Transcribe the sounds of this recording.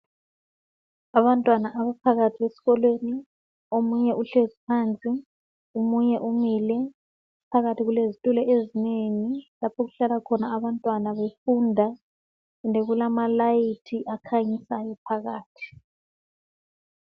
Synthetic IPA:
aβantʼwanaʔaβapʰaɣatʰiɣesi̥ɣɔlweni | omuɲɛʔuɬezipʰant͡sʼi | umuɲɛʔumilɛ | pʰaɣatʰiɣulezitʼulɛʔezineːŋilapʰɔɣuɬalakʰɔnaːβantʼwanaβefundʱa | umdʱɛɣulamalajitʰiʔakʰaɲisajɔpʰaɣaːtʰi̥

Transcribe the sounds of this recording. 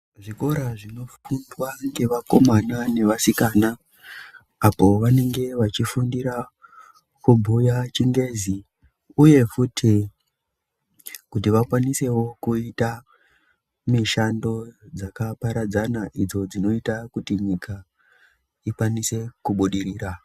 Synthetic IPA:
ʐiko̞ɾaʐino̞fundwaŋɡe̞ʋako̞manane̞ʋasikanaː | po̞ʋane̞ŋɡe̞ʋat͡ʃifundiɾa | kubʱujat͡ʃiŋɡe̞zi | uje̞futʰi | kutiʋakwanise̞wo̞kuita | miʃando̞d͡zakapaɾad͡zanaʔid͡zo̞d͡zino̞itakutiɲikʰa | ikwanise̞kuɓuɗiɾiːɾa

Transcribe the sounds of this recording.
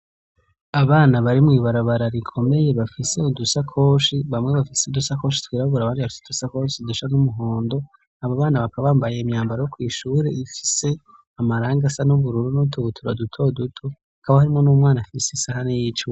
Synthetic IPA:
aβaːnaβaɾimŋiːβaɾaβaɾaɾikʰo̞me̞je̞βafise̞udusakʰo̞ːʃiβamŋe̞βafiseudusako̞ːʃi̥twiːɾaβuɾaβaːndiβafi̥sed̥usako̞ʃiduʃanumuɦo̞ːndo̞ | aβaβaːnaβakaβaːmbajemɲaːmbaɾajokwiːʃuːɾe̞ifi̥se̞ | amaɾaːŋɡasanuβuɾuɾunotʰoβutʰuɾadutʰodutʰohakaβahaɾimŋo̞nuːmŋaːnafisesahanejit͡ʃu

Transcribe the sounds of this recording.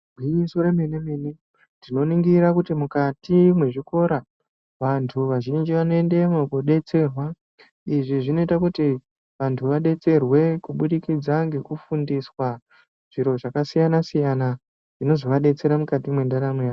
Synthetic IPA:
iisoɾemenemini | ndino̞niŋɡiɾakutimukatimwe̞ʐiko̞ɾa | ʋantʰuʋaʒind͡ʒiʋanoe̞nde̞mokoɗe̞t͡se̞rwa | iʐiʐino̞itakuti | ʋantʰuʋaɗe̞t͡se̞rwe̞kuɓuɗikid͡zaŋɡe̞kufundiswa | ʐ̥iɾo̞ʐakasijanasijana | ʐ̥ino̞ziʋaɗe̞t͡se̞ɾamukatimwe̞ndanameja

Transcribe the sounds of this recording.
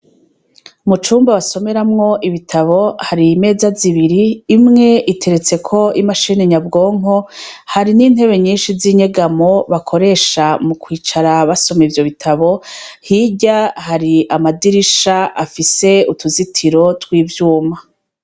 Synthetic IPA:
mut͡ʃuːmbaβaso̞me̞ɾamŋo̞ʔiβitʰaβo̞haɾime̞ːzaziβiɾiːmŋe̞ʔitʰe̞ɾe̞t͡se̞kʰo̞imaʃiːneɲabɡo̞ːŋ̥o̞haɾiniːn̥he̞βe̞ɲiːnʃiziɲe̞ɡamo̞βakʰo̞ɾe̞ːʃamukwiːt͡ʃaɾaβaso̞meivjo̞βitʰaβo̞hiɟahaɾiamadiɾiʃaʔafise̞utuzitʰiɾo̞twiːvjuːma

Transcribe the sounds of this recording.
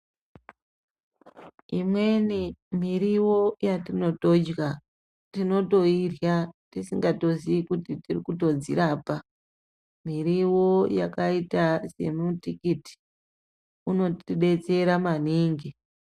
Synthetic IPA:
imwe̞nimiɾiwo̞jatino̞to̞d͡ʒɣa | tino̞to̞irjatisiŋɡato̞ziikutitirikuto̞d͡zḭɾaːpa | miɾiwo̞jakaitase̞mutikiti̥ | uno̞tiɗe̞t͡se̞ɾamaniːŋɡi

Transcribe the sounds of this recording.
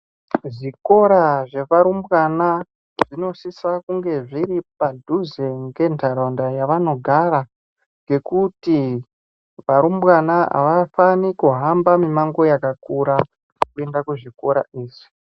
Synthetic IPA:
ʐiko̞ɾaʐe̞ʋaɾumbwana | ʐ̥ino̞ʃisakuŋɡe̞ʐiɾipadʱuzeŋɡe̞ntʰaɾondajaʋano̞ɡʱaɾa | ŋɡe̞kuti | ʋaɾumbwanaa̰ʋafanikuɦambamimaŋɡo̞jakakuɾa | kue̞ndakuʐiko̞ɾa̰iːʐi̥

